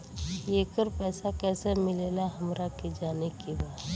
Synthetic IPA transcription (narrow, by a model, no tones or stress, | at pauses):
jeːkəɾpɛːsakɛːsemɪleːlaɦɐmɾaked͡ʒaːnekibaːt̪